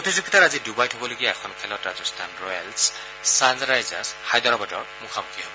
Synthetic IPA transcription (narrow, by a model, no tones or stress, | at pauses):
potizuɡʱɔtaɹazidubajtʰobɔloɡijaɛxʰɔnkʰɛlɔtɹazɔst̪ʰanɹɔja̰lsː | anzaɹajza̰shajd̪ɔɹɔbadɔɹmukʰamukʰiɦɔ̰bɔ